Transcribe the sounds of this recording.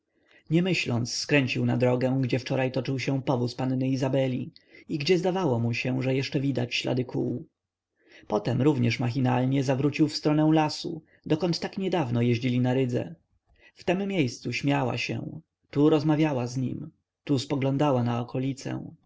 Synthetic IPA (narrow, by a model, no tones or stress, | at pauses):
ɲɛmɘɕlɔnt̪sːkɾɛɲt͡ɕiwnad̪ɾɔɡɛw̃ɡd͡ʑɛft͡ʂɔɾajt̪ɔt͡ʂɘwɕɛ̃pɔvuspanːɘizabɛlʲiiɡd͡ʑɛzd̪avawɔmuɕɛʐɛjɛʂt͡ʂɛvʲid̪a̰t͡ɕɕla̰d̪ɘkʰṵw | pɔt̪ɛmɾuvɲɛʂmax̬ʲina̰lɲɛzavɾut͡ɕiwfst̪ɾɔnɛw̃lasṵ | d̪ɔkɔnt̪ːakɲɛd̪avnɔjɛʑd͡ʑilʲinaɾɘd̪zɛ̰ | ft̪ɛmːjejst̪suɕmʲjawa̰ɕɛ̰̃ | t̪uɾɔzmavʲjawazɲḭm | t̪uspɔɡlɔ̃nd̪awanaɔkʰɔlʲit̪sɛ̰w̃